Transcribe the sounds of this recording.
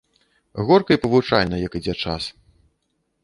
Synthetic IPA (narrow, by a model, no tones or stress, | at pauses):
ɣɔrkɐipɐvut͡ʂajnɐjɐkid͡zʲɛt͡ʂa̰s